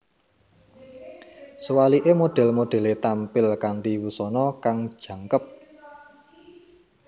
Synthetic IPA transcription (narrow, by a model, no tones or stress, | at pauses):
səwaliʔemoɖ̥ɛ̤lmoɖ̥ɛ̤let̪ampɪlkant̪iwusɔnɔkaŋd̥ʒ̥ä̤ŋkəp̚